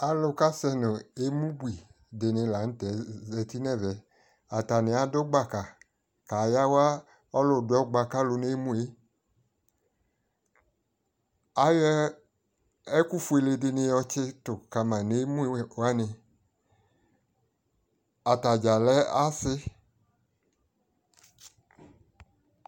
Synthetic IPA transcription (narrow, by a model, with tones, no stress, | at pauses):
a˨lʊ˧ka˦sɛ˧nʊ˨e˨˦mũ˦bu˦i˨ | de˨˧nɪ̃˧la˨˦n̩˦tɛ˨zɛ˧ti˦nɛ˦˨vɛ˨˦ | a˨ta˨nɪ̃˨a˨do˦ɡ͡ba˦˨ka˨ | ka˨ja˦wa˦ | ɔ˦lʊ˦˨dʊ˧˦ɛ˦ɡ͡ba˧ka˦lo˧ne˦mũ˦e˦ | a˨˦jɛ˧˦ | ɛ˦ku˦fu˧e˧le˧dɪ˧nɪ̃˧jɔ˧t͡ʃɪ˧tʊ˨ka˧mã˨ne˨˦mũ˦˧˦wa˦nɪ˧ | a˨ta˨d͡ʒa˨lɛ˦a˦sɪ˧˦